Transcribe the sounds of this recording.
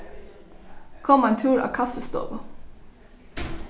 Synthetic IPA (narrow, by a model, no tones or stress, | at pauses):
kʰɔmɑnt̪ʰʉːɹɑ̰ːkʰɑfəst̪o̰ːʋ